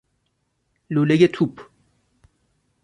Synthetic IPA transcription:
luleɡet̪ʰup

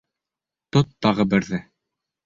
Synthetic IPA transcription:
t̪ot̪ːɑʁɤbɘ̆ɾðɘ

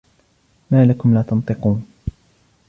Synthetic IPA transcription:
maːlakʊmlaːt̪ɑnt̪ˤɨquːn

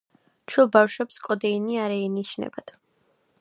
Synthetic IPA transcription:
t͡ʃʰwɛlˠbafʃwɛpskʼɔd̪ɛiniaɾɛːniʃnɛ̰bat̪

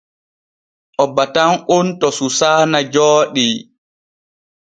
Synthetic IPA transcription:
ʔɔbatanʔuntɔsusaːnad͡ʒɔːɗi

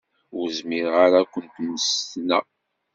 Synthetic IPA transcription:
ʊɾzmiɾʁaɾakʷənt̪nst̪næ

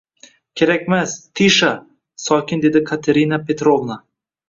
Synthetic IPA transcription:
kʲʰe̞ɾakʲmast̪ʰiʃa | sɒkʲɪnd̪e̞d̪ɪkʰat̪ʰeɾinapʰe̞t̪ɾovna

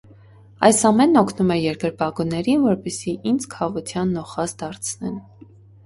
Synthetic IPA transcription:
ɑjsɑmɛnːɔkʰnumɛjɛɾɡəɾpɑɡunɛɾinvɔɾpɛsiʔind͡zkʰɑʁut̪ʰjɑnːɔχɑzd̪ɑɾt͡sʰnɛn

